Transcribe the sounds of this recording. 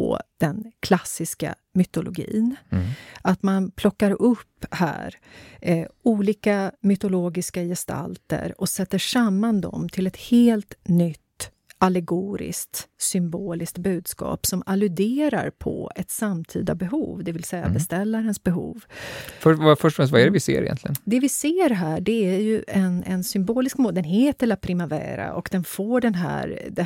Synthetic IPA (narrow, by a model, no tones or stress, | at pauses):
ɔ̰d̪̥ɛnkʰlasːɪska̰ | mʏt̪ʊlʔʊɡḭːn | ʔat̪manpʰlɔkːaɾɵpːhæ̰ːɾ | uːliːkamʏt̪ʊloːɡɪskajɛst̪ʰa̰lt̪ə̰ɾɔsɛt̪ːəʂamːand̪ɔ̰mt̪ʰɪlɛt̪heːlt̪nʏt̪ː | ʔalɛɡuːɾɪ̰skt̪sʏmboːlɪsk̚t̪bʉ̟ːd̪skɑ̰ːpsɔmalɵd̪eːɾa̰ɾpʰɔ̰ɛt̪samt̪ʰḭːd̪a̰bɛɦuːvd̪ɛvɪlsɛjːa̰bɛst̪ɛlːaɾənsbɛɦṵːvfœvafœʈɔfɛst̪vaæɾɛvɪsḛːɾɪ̰jɛ̰nt̪lɪɡə̰nd̪ɛvɪseːɾɦæːɖɛæɾjɵʔɛnɛnsʏmboːlɪskmoːd̪ɛnɦeːt̪əlapʰɾɪmavæ̰ːɾa̰ʔɔkd̪ɛnfoːɖɛnɦæ̰ːɾd̪ɛ